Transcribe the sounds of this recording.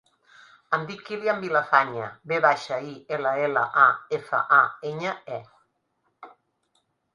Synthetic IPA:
ənd̪ikːiliambilafaɲəbeβaʃaieləeləʔaefə̰ʔaeɲəɛ

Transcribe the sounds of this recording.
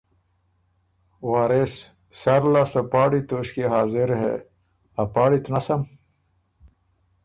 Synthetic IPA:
waːɾes | saɾlast̪apaːɽit̪oːʂkiɦaːzɪɾɦḛ | apaːɽit̪nasɐm

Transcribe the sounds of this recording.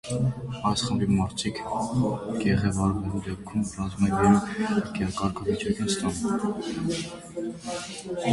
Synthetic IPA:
ɑjsχəmbimɑɾt̪ʰikʰ | ɡ̥ɛʁɛvɑɾvɛlud̪ɛp̚kʰumrɑzumɛɡɛɾukɑnkɑɾkʰɑvit͡ʃɑkinst̪ɑnɛl

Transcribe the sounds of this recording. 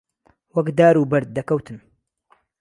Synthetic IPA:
wɐkd̪aːɾuːbɐɾd̪̚ːɐkɐwt̪ʰɨn

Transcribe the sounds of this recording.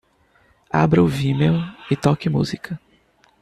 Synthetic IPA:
a̰bɾɐʊvimewɪt̪ɔkɪmṵzikɐ

